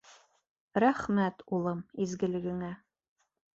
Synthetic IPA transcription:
ɾæχmæt̪ulˠɤmizɡɘ̆lɘ̆ɡɘ̆ŋæ

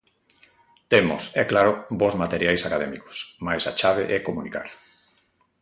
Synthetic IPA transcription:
t̪emʊ̰sɛklaɾʊbozmat̪eɾjajsakaðɛmikʊ̥smajsa̰t͡ʃaβ̞ḛʔɛkomunika̰ɾ

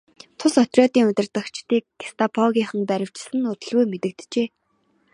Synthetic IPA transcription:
t̪ʰʊsœt̪rʲjɔːt̪iːŋʊt̪ɪ̆rt̪ə̆kt͡ɕʰt̪iːk̚ɡest̪ʰapʰɔɣʲiːχə̆ŋpæɾʲɪ̆w̥t͡ɕɪ̥̆sɘ̆nʊt̪ɵ̆ɮɣujmet̪ɘ̆k̚t̪t͡ɕeː

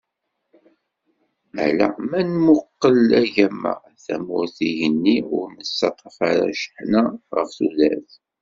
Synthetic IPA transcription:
æ̰læ̰mænmʊqːəlæʝæmːə̰ | θæmʊɾθiʝənːiʊɾnəsɑt̪ˤɑfaɾa̰ʃə̥ħnaʁəfθulæθ

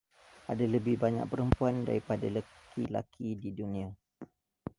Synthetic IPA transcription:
adaləbɪhbaɲa̰k̚pəɾəmpuanda̰ɾipadaləkʰḭla̰kʰididunĩa

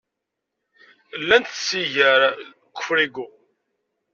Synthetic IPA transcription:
lːænt̪siʝəɾ | kʷːʊ̥fɾiɡu

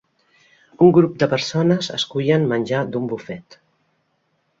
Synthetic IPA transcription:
uŋɡɾup̚d̪əpəɾsonəzə̰skujənmənʲʒad̪umbufɛt̪

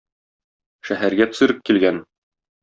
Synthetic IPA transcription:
ʃæɦæɾɡæt̪ɵ̥̆sɘ̆ɾɘp̚kilɡæn

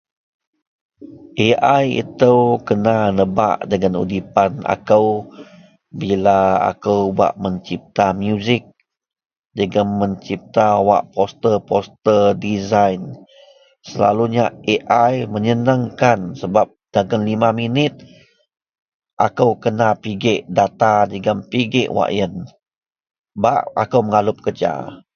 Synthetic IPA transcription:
ʔeʔajḭt̪əwkənanəba̰ʔdəŋanṵdipana̰kəw | bilaa̰kəwba̰ʔməɲt͡ʃip̚t̪amjuzɪk̚ | d͡ʒəɡaməɲt͡ʃip̚t̪awa̰ʔpost̪ərpɔst̪ədizajn | səla̰luɲaeʔajməɲənəŋkansəbap̚d̥aɡənlimaminɪt̪̚ | ʔa̰kəwkənapiɡɪʔdat̪ad͡ʒəɡənpiɡɪʔwa̰ʔjən | ba̰ʔa̰kəwməŋalʊp̚kəd͡ʒa̰

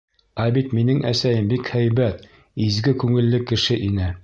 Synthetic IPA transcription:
æbit̪minɘŋʔæsæjɘmbikhæjbæt̪ | izɡɘkʉŋɘ̆lːɘkɘ̆ʃɘʔinɘ

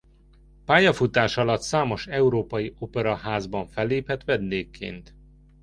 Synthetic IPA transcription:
paːjɒfut̪aːʃɒlɒt̪saːmo̞ʃɛuɾoːpɒjio̞pɛɾɒɦaːzbɒɱfɛlːeːphɛt̪ʋɛd̪d̪eːkʰːḛːnt̪

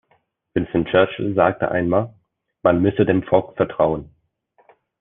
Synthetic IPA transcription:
vɪnsənt͡ʃɜɐt͡ʃl̩zaːk̚tʰə̰ʔa̰ɪnmaːl | manmʏsədeːmfɔlkfɛɐtʁ̥aʊən

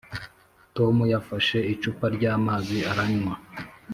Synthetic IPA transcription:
to̞mujafaʃe̞it͡ʃupaɾɟaːmaziaɾaɲwa

